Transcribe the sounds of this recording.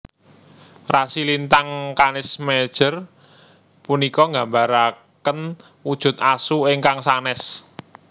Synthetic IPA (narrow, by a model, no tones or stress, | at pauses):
rasilint̪aŋkanɪsmed̥ʒ̥ə̤r | punikɔŋɡa̤mbaɾa | kən | wud̥ʒ̥ʊ̤t̪̚asuɪŋkaŋsanɛs